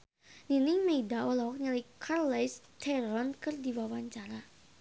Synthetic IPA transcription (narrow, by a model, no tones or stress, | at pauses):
dinɪmeidaɔlawɔk̚ɲalikʰarlajst̪ʰɛɾɔnkɨrdiwawaɲt͡ʃaɾa